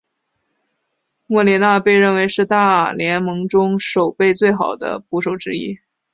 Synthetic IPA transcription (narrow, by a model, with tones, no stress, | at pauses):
mwɔ˥˩li˧˥na˥˧pe˥˧ɪɻə˥˩nwe˧˥ɪʂɻ̩˥˧t̪a˥˩ljɛ˧˥nmɤ˧˥ŋʈ͡ʂʊ˥ŋʂo˨˩ʊpe˥˧ɪt͡swe˥˩ɪxɑ˨˩ʊd̪ə̰˦pu˥˩ʂo˨˩ʊʈ͡ʂɻ̩˥ḭ˥˩